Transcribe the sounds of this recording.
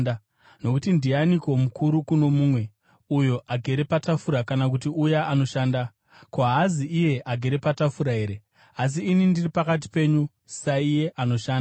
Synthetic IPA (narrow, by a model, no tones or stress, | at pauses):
no̞kutindianiko̞mukʰuɾukuno̞mumwe̞ | ujo̞ʔaɡʱe̞ɾe̞patafuɾakanak̬utiujaʔanoʃaːnda | koɦaziije̞ʔaɡʱe̞ɾe̞patafuɾaɦe̞ɾe̞ | as̬iːnindiripakat̬i̥pe̞ɲu | saije̞ʔano̞ʃaːna